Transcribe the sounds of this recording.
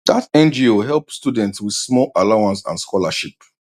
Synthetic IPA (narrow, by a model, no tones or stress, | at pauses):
datɛ̃nd͡ʒioɦɛlˠpstudɛ̃ntswið̥smɔlalaʊãnsã̰nskʰɔlaʃip